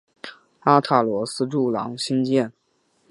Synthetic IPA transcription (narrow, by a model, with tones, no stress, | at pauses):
a˥t̪ʰa˥˩lwɔ˧˥sɹ̩˥ʈ͡ʂu˥˩lɑ̰˧˥ŋɕi˥nt͡ɕjɛ˥˩n